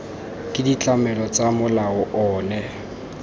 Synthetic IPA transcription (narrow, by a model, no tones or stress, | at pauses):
kʼɪdit͡ɬʼamɛlɔt͡sʼamʊlaɔʔɔːnɛ